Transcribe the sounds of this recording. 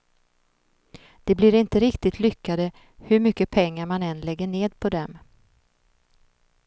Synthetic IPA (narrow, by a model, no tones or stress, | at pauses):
d̪̥ɛblɪɾɪnt̪əɾɪkt̪ɪt̪ʰlʏkːad̪ə | hɵɾmʏkːəpʰɛŋːaɾmanɛnlɛɡːəɳeːd̪pʰɔd̪ɛm